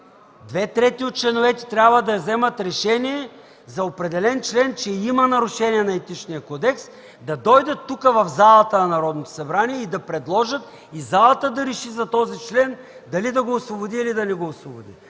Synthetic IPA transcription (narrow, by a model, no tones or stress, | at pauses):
d̪vɛt̪ɾɛt̪iot̪̚t͡ʃlɛnovɛt̪ɛ̥t̪ɾʲabvəd̪ɐzɛmət̪ɾɛʃɛniɛ | zɐopɾɛd̪ɛlɛnt͡ʃlɛnt͡ʃɛimɐnɐɾʊʃɛniɛnɐɛt̪it͡ʃnijəkɔd̪ɛks | d̪ɐd̪ɔjd̪ɐt̪ːukəvɐvzalˠɐt̪ənɐnɐɾɔd̪not̪o̥sɐbɾaniɛid̪ɐpɾɛd̪lˠɔʒət̪ | izalˠɐt̪əd̪ɐɾɛʃizɐt̪ɔzit͡ʃlɛn | d̪ɐlid̪ɐɡoːsvobʊd̪iːlid̪ɐnɛɡoːsvobʊd̪ḭ